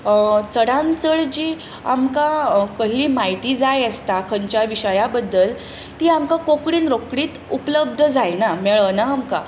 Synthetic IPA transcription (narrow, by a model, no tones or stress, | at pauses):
t͡səɽãnt͡səɭd͡ʑiː | amkakəɦliːmait̪iːd͡zajəst̪akʰəɲt͡ɕjaʋiɕəjabəd̪ːəl | t̪iːamkakokɽiːnɾokɽiːt̪upləb̚d̪ʱəd͡zajnamɛɭənaːmka̰